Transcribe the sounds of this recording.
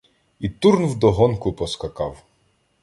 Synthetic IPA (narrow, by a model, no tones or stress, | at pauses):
it̪uɾnwd̪ɔɦɔnkʊpɔskɐkɑw